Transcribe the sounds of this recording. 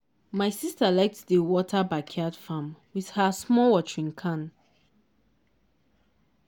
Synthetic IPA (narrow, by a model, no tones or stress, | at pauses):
maɪsistalaɪk̚tdəwɔtʰabakʰadfãmwið̥həsmɔwɔt͡ʃɹĩŋkʰãn